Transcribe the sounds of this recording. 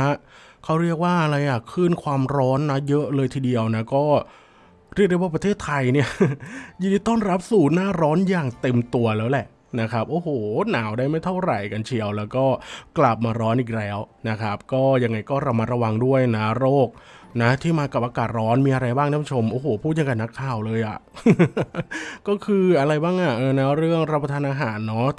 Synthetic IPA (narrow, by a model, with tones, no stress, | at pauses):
kʰa˦˥wɾi˥˩ək̚waː˥˩ʔa˧ɾa˧jʔa˨˩kʰɯː˥˩nkʰwaː˧mɾɔː˦˥nːa˦˥jɤ˦˥ʔlɤː˧jt̪ʰiː˧di˧əwna˦˥kɔː˥˩ | ɾi˥˩k̚di˧˥˩waː˥˩pɾa˧t̪ʰeː˥˩t̪ʰːa˧jni˥˩ɐji˧diː˧t̪ɔː˥˩nɾa˦˥p̚suː˨˩t̪̚naː˥˩ɾɔː˦˥njaː˨˩ŋt̪e˧mt̪u˧ɐlɛː˦˥wlɛ˨˩ʔ | na˦˥kʰɾa˦˥p̚ʔoː˧˩hoː˨˩naː˩˦wdaː˥˩jma˥˩jt̪ʰa˥˩wɾa˨˩jka˧nt͡ɕʰi˨˩˦əwlɛː˦˥wkɔː˥˩kla˨˩p̚maː˧ɾɔː˦˥nʔiː˨˩k̚lɛː˦˥wna˦˥kʰa˦˥p̚kɔː˥˩ja˧ŋːa˧jkɔː˥˩ɾa˧ma˦t̪̚ɾa˧wa˧ŋdu˥˩əjna˦˥ɾoː˥˩k̚ | na˦˥t̪ʰiː˥˩maː˧ka˨˩p̚ʔaː˧kaː˨˩t̪̚ɾɔː˦˥nmiː˧ʔa˧ɾa˧jbaː˥˩ŋt̪ʰa˦˥pʰu˧˩t͡ɕʰo˧mʔoː˨˩hoː˨˩˦pʰuː˥˩ja˧ka˧nːa˦˥kʰːaː˨˩wlɤː˧jʔa̰˨˩ʔ | kɔː˥˩kʰɯː˧ʔa˧ɾa˧jbaː˥˩ŋʔa˨˩ʔɤː˧na˦˥ɾɯ˥˩əŋɾa˦˥pʰːa˧t̪ʰːnʔaː˧ɦaː˩˦nːɔ˦˥